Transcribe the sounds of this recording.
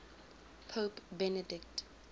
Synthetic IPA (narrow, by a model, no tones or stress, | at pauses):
pʰopbɛnədɪkt